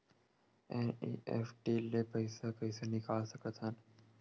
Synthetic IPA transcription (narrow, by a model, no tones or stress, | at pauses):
ẽnḭːʔḛːfʈilepəɪsakəɪsenɪkaːlsəkət̪ɦən